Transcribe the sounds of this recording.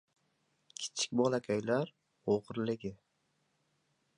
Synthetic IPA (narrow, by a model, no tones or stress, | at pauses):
kʲʰɪ̥t͡ʃʰɪ̥k̚ʲbɒlakʲʰajlaɾ | oʁɨɾlɪɡʲɪ